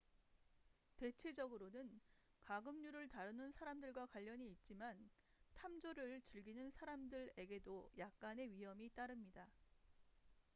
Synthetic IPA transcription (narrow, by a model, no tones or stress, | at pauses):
te̞t͡ɕʰe̞d͡ʑʌɡɯɾonɯn | kaɡɯmɲuɾɯɭtaɾɯnɯnsʰaɾamdɯɭɡwakwaʎːʌɲiːt̚t͡ɕ͈iman | tʰamd͡ʑoɾɯɭt͡ɕɯɭɡinɯnsʰaɾamdɯɾe̞ɡe̞dojak̚k͈ane̞ɥiɦʌmit͈aɾɯmɲida